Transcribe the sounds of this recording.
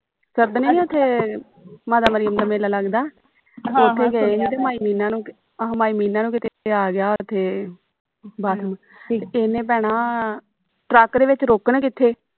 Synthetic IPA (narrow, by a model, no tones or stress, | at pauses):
səɾd̪nĩːʊt̪ʰːeː | maːd̪aːməɾijəmd̪aːmeːlaːləɡd̪aː | teːt̪ʰːeːɡəeːɦeːt̪̬eːmaːiːmiːnãːnũː | maːiːmiːnãːnũːkɪt̪ʰeaːɡɪjaːt̪ʰːeː | baːt̪ʰm | enẽːp̬ɛːɽ̃aː | ʈɾəkd̪eːʋɪt͡ʃɾoːkəɳkɪt̪ʰːeː